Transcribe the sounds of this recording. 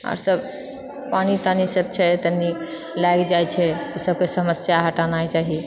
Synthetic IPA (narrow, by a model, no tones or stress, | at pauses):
ɔ̰ɾsəb | panit̪anisəb̚t͡ʃʰɛt̪əni | laɡd͡ʒajt͡ʃʰɛusəb̚kesəməsjaɦəʈanajt͡ʃaɦi